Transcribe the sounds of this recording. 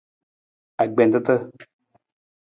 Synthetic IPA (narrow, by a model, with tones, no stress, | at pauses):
a˨ɡ͡be˨nt̪ə˦t̪ə˦